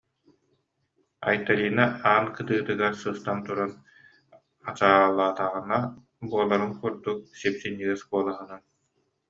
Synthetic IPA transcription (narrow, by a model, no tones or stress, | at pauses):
a̰jt̪aliːnaaːnkɯt̪ɯːt̪ɯɡaɾsɯst̪ant̪uɾan | at͡ɕalˠːaːt̪aʁɯna | buɔlˠaɾɯnkuɾd̪uk̚sipsinːiɡɛsbuɔlˠaɦɯnan